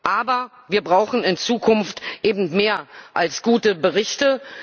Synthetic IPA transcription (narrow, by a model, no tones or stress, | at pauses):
ʔaːbɐ | viːɐbʁaʊxn̩ɪnt͡suːkʰʊnftʔeːbm̩tmeːɐʔalsɡ̥uːtəbəʁɪçtə